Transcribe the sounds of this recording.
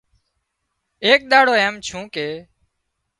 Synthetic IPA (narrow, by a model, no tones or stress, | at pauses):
eːk̚ɗ̪aːɽoːeːmt͡ʃʰũːkeː